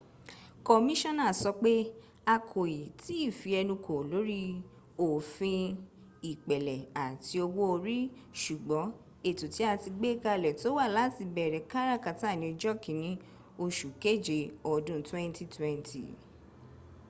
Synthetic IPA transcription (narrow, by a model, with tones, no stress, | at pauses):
kɔ˨mĩ˦ʃɔ̃˦na˨sɔ˧k͡pe˦ | a˧kʰo˨ji˨ti˨˦i˦˨fi˧ɛ˧nũ˧kʰo˨lo˨˦ɾi˦ | o˨fĩ˧ | i˨k͡pɛ˨lɛ˨a˨ti˧o˧wo˦o˧ɾi˦ʃu˨ɡ͡bɔ˨˦ | e˦˨tu˨ti˨˦a˦˧ti˧ɡ͡be˦ka˧˨lɛ˨to˨˦wa˦˨la˨˦ti˧bɛ˨ɾɛ˨ka˦ɾa˦˨ka˨ta˦˨nĩ˧d͡ʒɔ˦˨kĩ˨˦nĩ˨˦ | o˧ʃu˨ke˦˨d͡ʒe˧ɔ˨dũ˦twɛ̃˦n˦ti˦twɛ̃˦ntʰḭ˨